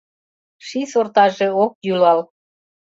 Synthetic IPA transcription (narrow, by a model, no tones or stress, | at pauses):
ʃisort̪ɑʒeok̚jylɑl